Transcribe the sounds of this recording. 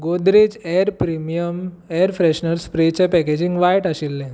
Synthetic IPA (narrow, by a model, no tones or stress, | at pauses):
ɡod̪ɾed͡ʑɛɾpɾimijəmɛəɾfɾɛɕnəɾspɾet͡ɕẽpɛked͡ʑiŋɡʋajʈaɕilːɛ̃